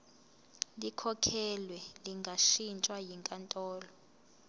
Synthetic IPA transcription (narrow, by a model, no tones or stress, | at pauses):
likʰɔkʰɛlwɛliŋɡʱaʃint͡ʃʼwajiŋkʼantʼɔːlɔ